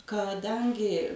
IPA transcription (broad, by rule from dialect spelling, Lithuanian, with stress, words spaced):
kɐˈdɐŋʲɡʲɪ